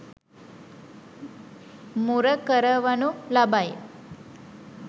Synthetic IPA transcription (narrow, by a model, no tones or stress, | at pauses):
muɾəkəɾəʋanulabaj